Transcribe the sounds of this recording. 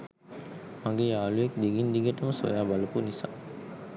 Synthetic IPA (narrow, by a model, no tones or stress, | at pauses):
maŋɡeːaːlujekd̪iɡind̪iɡəʈəməso̰jaːbaləpunisa̰ː